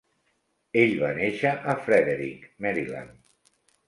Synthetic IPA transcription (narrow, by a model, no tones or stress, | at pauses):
eʎβaneʃəʔəfɾɛðeɾikmɛɾila̰n